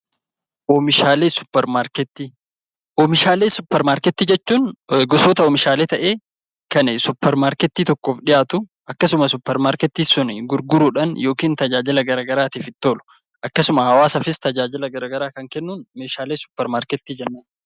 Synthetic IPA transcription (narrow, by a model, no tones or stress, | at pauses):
ʔoːmɪʃaːleːsʊ̥pːɛɾmaːɾkɛt̪ːi | ʔoːmɪʃaːleːsʊpːɛɾmaːɾkɛt̪ːiːd͡ʒɛt͡ʃːuːnɡɔsoːt̪ɐɔːmɪʃaːleːt̪ɐʔe̞ː | kɐnɛsʊpːɛɾmaːɾkɛt̪ːiːt̪ɔkːoːfᶑɪjaːt̪ʊʔɐkːɐsʊmɐsʊpːɛɾmaːɾkɛt̪ːiːsʊnɪɡʊɾɡʊɾuːᶑɐnjo̞ːkiːnt̪ɐd͡ʒaːd͡ʒɪlɐɡɐɾaːɡɐɾaːt̪iːfɪt̪ːoːlʊ̥ | ʔɐkːɐsʊmɐhɐwaːsɐfɪst̪ɐd͡ʒaːd͡ʒɪlɐɡɐɾaːɡɐɾaːkɐŋkɛnːuːnme̞ːʃaːleːsʊ̥pːɛɾmaːɾkɛt̪ːiːd͡ʒɛnːɐn